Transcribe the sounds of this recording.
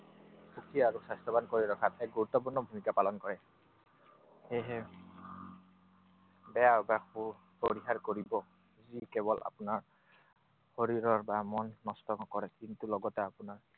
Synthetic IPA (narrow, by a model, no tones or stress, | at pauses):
xukʰiaɹusastɔbankoɹiɹɔkʰatɛk̚ɡuɹutːɔpuɹnɔbʱumikapalɔnkɔɹɛ | hɛjɦɛ | bɛaɹbau | poɹiɦaɹkoɹibɔ | zikɛbɔlʔa̰punaɹ | hoɹiɹɔɹbamɔnːɔstɔŋɔkɔɹɛkintulɔɡɔtɛapunaɹ